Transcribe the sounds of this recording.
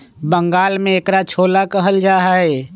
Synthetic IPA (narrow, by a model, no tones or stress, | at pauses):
bəŋɡaːlmẽeːkɾat͡ʃʰoːlakəɦəld͡ʒaːɦə